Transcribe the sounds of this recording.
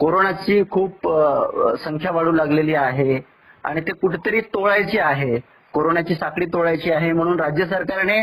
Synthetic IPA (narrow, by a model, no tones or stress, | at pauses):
koɾonat͡ɕiːkʰuːp | səŋkʰjaʋaɽuːlaɡleliːaɦe | a̰ɽ̃it̪ekuʈʰt̪əɾiːt̪oɭajt͡ɕiːaɦe | koɾonat͡ɕiːsakɭiːt̪oɭajt͡ɕiːaɦem̤əɽ̃uːnɾad͡ʑjəs̬əɾkaɾne